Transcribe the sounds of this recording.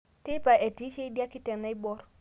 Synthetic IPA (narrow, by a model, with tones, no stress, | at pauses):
te˦pa˨ʔe˨ti˦ʃe˦i˦di˦a˦ki˦tɛ˨na˦i˦bɔ˦ɾ